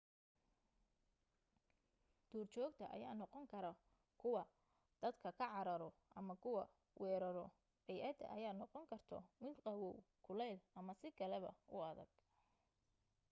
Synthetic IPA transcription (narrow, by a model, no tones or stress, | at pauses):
d̪̥uːrt͡ʃɔːɡt̪ʰɐʔɐ̰jaːnɔqɔŋkʰɐɾɐ | kʰʊwɑ | d̪̥ɐd̪kʰɐkʰɐʕɑɾɐɾɔʔɐmɐkʰʊwɑ | wɛːɾɐɾɔ | bɛjʔɐd̪ɐ̰ʔɐjaːnɔqɔŋkʰɐrt̪ʰɔ̰mɪnqɑwɔwkʰʊlɛlʔɐmɐsɪkʰɐlɛβɐ̰ʊɐðɐ̰ɡ̥̚